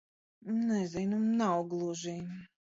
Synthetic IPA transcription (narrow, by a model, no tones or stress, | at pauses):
nɛzinumnawɡlˠuʒij